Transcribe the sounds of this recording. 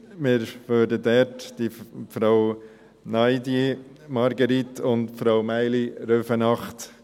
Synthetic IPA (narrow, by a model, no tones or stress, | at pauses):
mɪːɾʋøːɾdədɛɾtd̥ifɾaw | nɑɪdi | mɑɾɡəɾit̪ʰʊndfɾawmæɪliɾøfənɑχt